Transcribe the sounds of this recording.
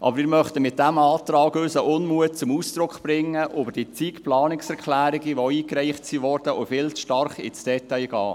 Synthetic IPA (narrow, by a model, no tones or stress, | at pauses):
ʔɑ̰bəɾmɪːɾmœχt̪əmɪt̚dæmɑːt̪ɾɑːɡøsəʔʊnmuət̚t͡sʊmuːsd̪̥ɾʊkχb̥ɾɪŋːəʔøbəɾd̥it͡siːkplɑːnɪksɛɾkχlæːɾɪɡiʋɔiːkɾɛɪχtsiʋɔɾd̥əʔʊfɪlt͡sʃtɑɾχɪ̰t͡sd̥ɛtɑjɡ̥ɑː